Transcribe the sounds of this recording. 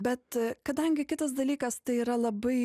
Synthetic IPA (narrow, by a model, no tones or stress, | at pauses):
bʲɛt̪kɐd̪ɐŋʲɡʲɪkʲɪt̪ɐsd̪ɐlʲiːkɐst̪ɐɪiːɾɐlˠɐbɐɪ